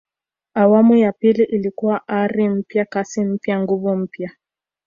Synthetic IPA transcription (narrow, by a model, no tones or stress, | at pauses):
awamujapiliʔilikuwaʔaɾim̩pjakasim̩pjaŋɡuvum̩pja